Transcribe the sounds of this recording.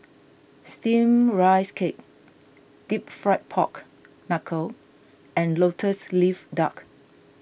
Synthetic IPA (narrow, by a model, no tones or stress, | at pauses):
stĩmɹaɪskʰek̚ | d̥ip̚fɹaɪt̚pʰɔ̰k | nakʰə | ɛ̃nlotʰəslifdak